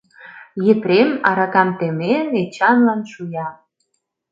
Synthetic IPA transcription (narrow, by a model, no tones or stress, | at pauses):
jep̪ɾemɑɾɑkɑmt̪emenet͡ɕɑnlɑnʃujɑ